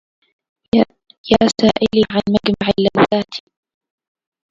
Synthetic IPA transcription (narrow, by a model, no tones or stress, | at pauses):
jaːsaːʔɪliːʕanmaɡmaʕɪlːawθaːt̪ʰ